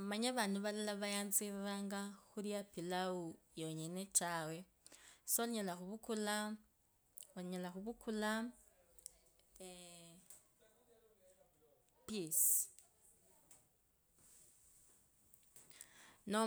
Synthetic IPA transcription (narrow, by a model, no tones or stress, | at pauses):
maɲaβaːnduβalilaβajaːnziβaβaːŋɡaxuɾijapilau | joɲenetawe̞ | soliɲelaxuβukula | oiɲelaxuβukʰula | pis | no